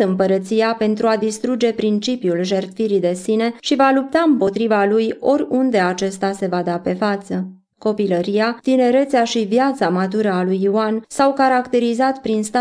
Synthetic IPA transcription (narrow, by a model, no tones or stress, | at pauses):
ɨmpəɾət̪sijape̞nt̪ɾuad̪ist̪ɾud͡ʒe̞pɾint͡ʃipjulʒe̞rt̪fiɾid̪e̞sine̞ʃivalup̚t̪aɨmpo̞t̪ɾivalujo̞ɾʲund̪e̞at͡ʃe̞st̪ase̞vad̪ape̞fat̪sə | ko̞piləɾijat̪ine̞ɾe̞t̪seaʃivjat̪samat̪̬uɾəalujuansawkaɾakt̪e̞ɾizat̪pɾinst̪a